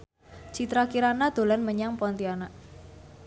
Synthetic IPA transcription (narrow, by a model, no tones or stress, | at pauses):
t͡ʃit̪ɾakiɾanad̪̥o̤lanməɲaŋpɔnt̪iana